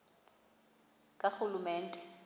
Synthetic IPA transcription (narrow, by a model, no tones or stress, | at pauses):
kʼaxʊlumɛːn̩tʼɛ̥